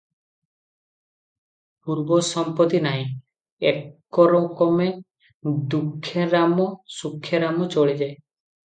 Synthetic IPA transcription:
puɾbɔsɔmpɔt̪inaɦĩ | ekː | ɔɾɔkɔme | d̪ukʰːeɾamɔsukʰːjeɾamɔt͡ʃoɭid͡ʒae

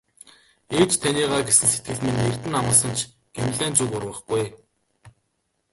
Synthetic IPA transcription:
eːt͡ɕt̪ʰaniːʁaːɡesɘ̆nse̥t̪̚ɡɘ̆ɮmener̥t̪ɘ̆namə̆sə̆nt͡ɕʰ | ɡ̥em̆ʲɮæːnt͡suːkʊrwə̆χɡuj

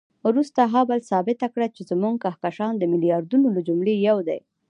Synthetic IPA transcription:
ɾust̪aɦabalsɑbɪt̪akɽat͡ʃezmuŋɡ̚kahkaʃɑnd̪əmɪlijɑɾd̪unoləd͡ʒumlejawd̪a̰j

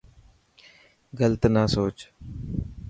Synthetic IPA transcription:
ɡələt̪naːsoːt͡ʃ

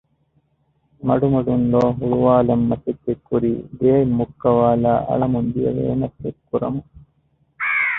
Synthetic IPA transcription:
mɐɽumɐɽunloːɦuɻuʋaːlɐmːɐsit̪ːekːuɾid̪eːjmukːɐʋaːlaːɐ̰ɭɐmund̪ijɐ̰ʋḛːnɐtːekːuɾɐmu

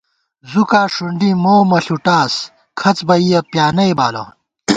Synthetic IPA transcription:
zukaːʂuɳɖimoːmɐɬuʈaːs | kʰɐt͡sbɐijɐpjaːnɐjba̰ːlɐ̰

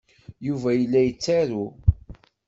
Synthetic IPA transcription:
juvæjəlːæjət͡sːæɾu

